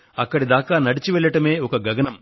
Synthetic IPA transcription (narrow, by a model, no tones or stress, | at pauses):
ɐkːɐɽid̪aːkaːnɐɽit͡ʃiʋɛɭːɐʈɐme̞ːɔkɐɡɐɡɐnɐm